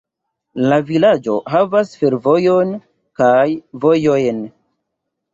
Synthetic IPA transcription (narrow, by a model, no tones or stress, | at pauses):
lavilad͡ʒo̞̰ɦavasfe̞ɾvo̞jon | kajvo̞jo̞jn